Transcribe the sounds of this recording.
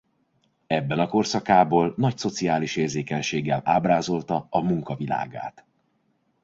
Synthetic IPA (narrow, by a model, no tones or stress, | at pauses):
ɛbːɛnɒko̞rsɒkaːboːlnɒcso̞t̪siaːliʃeːrzeːkɛɲʃeːɡːɛlʔaːbraːzo̞lt̪ɒɒmuŋkɒvila̰ːɡa̰ːt̪